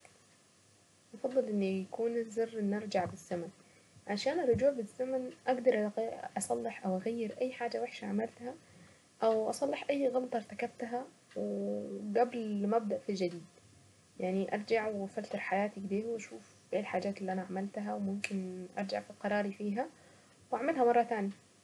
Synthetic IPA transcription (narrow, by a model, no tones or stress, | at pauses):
ʔɑfɑd̪ˤːɨlʔɪnːijakuːnɪzɑrːʔɪnːʔɑɾˤd͡ʒaʕbɪzːaman | ʕaʃaːnɪrˤːʊd͡ʒuːʕbɪzːamanʔaɡd̪ɑɾˤʔʔɑsˤɑlːɪħʔawʔaɣajːɪɾʔajːħaːd͡ʒawɪħʃaʕamalt̪ha | ʔawʔɑsˤɑlːɪħʔajːɣɑlɑt̪ˤɑɾˤt̪akab̚t̪ɦa | wɡablmab̚d̪aʔfild͡ʒad̪iːd̪ | jaʕniʔɑ̰ɾˤd͡ʒaʕwfalt̪ɑɾˤħajaːt̪iɡd̪eːwʔaʃuːf | bʔeːlħaːd͡ʒaːt̪ɪlːiʔanaʕamalt̪ɦawmʊmkɪnʔɑ̰ɾˤd͡ʒa̰ʕfilqɑɾˤɑːɾifiːɦa | wʔaʕmalhamɑrˤːɑt̪aːnji